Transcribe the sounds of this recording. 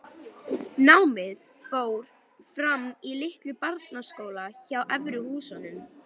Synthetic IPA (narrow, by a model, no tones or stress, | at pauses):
nawmɪð | foːwɾ̥ | fɾamilɪht̪lʏpaɾt̪naskoːwlaçawʔɛvɾʏhuːsanʏm